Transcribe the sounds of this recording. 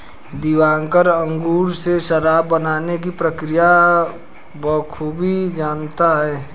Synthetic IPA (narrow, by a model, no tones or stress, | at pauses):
d̪iʋaːŋkəɾə̃ŋɡuːɾseʃəɾaːbːənaːnek̬ipɾəkɾija | bɔkʰuːbʱid͡ʒaːnt̪aɦɛː